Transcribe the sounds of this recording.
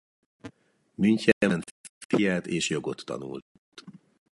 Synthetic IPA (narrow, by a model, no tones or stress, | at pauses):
myɲcɛjɛɛnt̪fijaːt̪eːʃjo̞ɡo̞t̪ʰːɒ̰nṵl | t̪